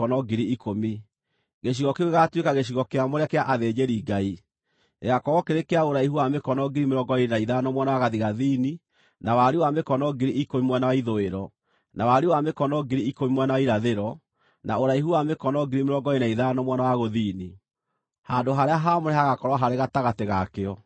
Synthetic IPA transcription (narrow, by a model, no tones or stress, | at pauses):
ɔnɔɡiɾiikomi | ɣeʃ̬iɣɔkeoɣeɣatwekaɣeɕ̬iɣɔkeamoɾeakeaʔaðed͡ʒeɾiːɡai | eɣakɔɣɔkeɾekeaoɾaihuwamekɔnɔɡiɾimeɾɔɡɔenaiðanɔmwanawaɣaðiɣaðini | nawaɾewamekɔnɔɡiɾiʔkomimwɛnawaiðoeɾɔ | nawaɾiwamekɔnɔɡiɾiikoimwɛnawaiɾaðeɾɔ | naoɾaiɦuwamekɔnɔɡiɾimeɾɔɡɔenaiðanɔmwanawaɣoðiːni | handoɦaɾeaɦamoɾeɦaɣakɔɾwaɦaɾeɣataɣateɣakeɔ